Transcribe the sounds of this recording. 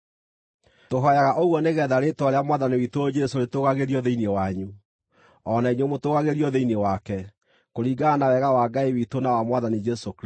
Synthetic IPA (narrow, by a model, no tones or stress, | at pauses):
toɦɔjaɣaʔoɣwɔneɣɛːðaɾetwaɾeamwaðaniwitood͡ʒɛsoɾetoɣaɣeɾiɔðeinewaɲu | ɔnaiɲomotoːɣaɣeɾiɔðeinewakɛ | koɾiɡaːnawɛɣawaɡaiwitonawamwaðanid͡ʒɛsok